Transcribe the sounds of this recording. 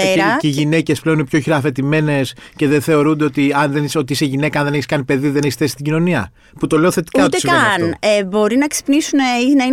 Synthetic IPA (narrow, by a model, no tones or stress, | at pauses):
eɾɐiʝine̞ce̞sple̞oninpço̞çiɾɐːfe̞t̪ime̞ne̞s | ce̞ðe̞nθe̞o̞ɾund̪eo̞t̪iɐnðenso̞t̪iiseʝine̞kɐɐnðeneçiskɐnipe̞ðiðe̞neçisθesi̥st̪iɟino̞niɐ̰ | put̪o̞le̞o̞θe̞t̪i̥kɐt̪t̪eskɐnebo̞ɾinɐksi̥pnisuneinɐi